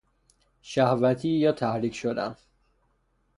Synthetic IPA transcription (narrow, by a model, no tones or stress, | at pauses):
ʃæhvæt̪ʰiːjɒːt̪ʰæhɾiːcʰʃod̪æ̰n